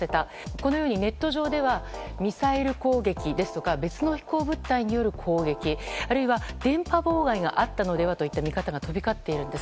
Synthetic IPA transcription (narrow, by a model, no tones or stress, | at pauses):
e̞t̪a | ko̞no̞jo̞ːɲ̟ine̞t̪ːo̞ʑo̞ːd̪e̞β̞a | mʲisaeɾɯ̟ko̞ːɡe̞kʲid̪e̞sɨ̥t̪o̞kabe̞t͡sɨno̞çi̥ko̞ːbɯ̟t̪ːaiɲ̟ijo̞ɾɯ̟kʰo̞ːɡe̞kʲiaɾɯ̟iβad̪̥ẽ̞mpabo̞ːɡaiɡa̰ʔat̪ːano̞d̪e̞β̞at̪o̞it̪ːamʲikat̪aɡat̪o̞bʲikat̪ːe̞iɾɯ̟̃nd̪e̞s